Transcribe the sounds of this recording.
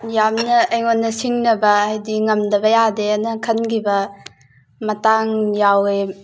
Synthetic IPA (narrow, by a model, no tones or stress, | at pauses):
jamnɐɐjŋonːɐsiŋnɐbɐajdiŋɐmdɐbɐjadeɐnɐkʰɐnɡibɐ | mɐtaŋjawe